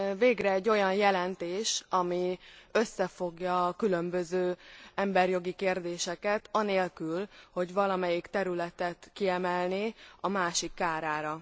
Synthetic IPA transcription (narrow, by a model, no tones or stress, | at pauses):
veːɡrɛːɟːo̞jɒnjɛlɛnt̪eːʃɒmiø̞sːɛfo̞ɡjɒkylø̞mbøzøːɛmbɛrjo̞ɡikeːrd̪eːʃɛkɛt̪ɒneːlkylho̞ɟvɒlɒmɛjikt̪ɛɾylɛt̪ɛt̪kiɛmɛlniɒmaːʃikːaːɾaːɾɒ